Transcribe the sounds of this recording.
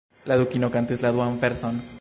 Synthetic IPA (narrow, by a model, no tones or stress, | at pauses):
laðukinokant̪eszlaðwaɱfeɾson